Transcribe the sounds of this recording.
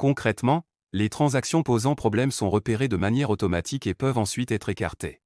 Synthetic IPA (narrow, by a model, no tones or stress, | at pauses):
kɔ̃kχɛt̪mɑ̃ | let̪χɑ̃zaksjɔ̃pozɑ̃pχɔblɛmsɔ̃ʁəpeʁed̪əmanjɛʁot̪ɔmat̪ʰikepœvɑ̃sɥit̪ɛt̪χeka̰ʁt̪e